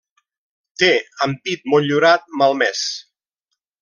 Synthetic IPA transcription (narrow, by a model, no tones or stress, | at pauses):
t̪eəmpit̪̚muʎuɾat̪̚məlˠmɛs